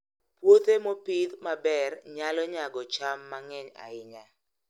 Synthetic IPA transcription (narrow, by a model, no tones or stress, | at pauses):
pwot̪emopid̪mabɛrɲalɔɲaɡɔt͡ʃamːaŋɛɲa̰ɪɲa